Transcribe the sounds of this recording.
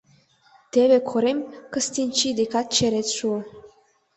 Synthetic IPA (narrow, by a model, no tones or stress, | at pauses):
t̪eβekʰoɾemʲkəst̪ʲinʲt͡ʃid̪ekɑt̪̚t͡ɕeɾet͡sʲʃuə